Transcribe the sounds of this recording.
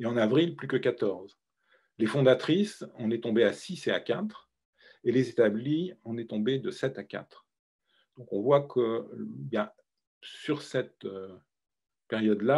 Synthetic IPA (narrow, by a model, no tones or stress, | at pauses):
eɑ̃navʁilplykəkat̪ɔʁz | lefɔ̃d̪at̪χisɔ̃nɛt̪ɔ̃beasisea̰kʲat̪χ | elezet̪abliɔ̃nɛt̪ɔ̃bed̪əsɛt̪akʲa̰t̪χ | d̪̥ɔ̃kɔ̃vwakʰəbjɛ̃ | syʁsɛt̪ø | peʁjɔd̪la